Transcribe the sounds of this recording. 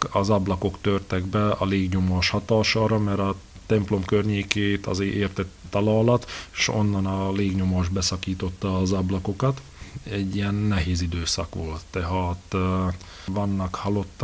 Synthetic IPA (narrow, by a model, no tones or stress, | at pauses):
ɒzɒblɒko̞kt̪ørt̪ɛɡbɛɒleːɡɲomoʃhɒt̪ɒːʃɒːɾɒmɛɾɒ | t̪ɛmplo̞mkørɲeːkeːt̪ɒ̰zeːʔeːrt̪ɛt̪t̪ːɒlɒːlɒt̪ːʃo̞̰nːɒnɒleːɡɲomoʒbɛsɒkiːt̪o̞t̪ːɒːzɒblɒko̞kɒt̪ | ɛɟːijɛnːɛɦeːzid̪øːsɒkʋolt̪ːɛɦɑːt̪ | vɒnːɒkhɒlo̞t̪ː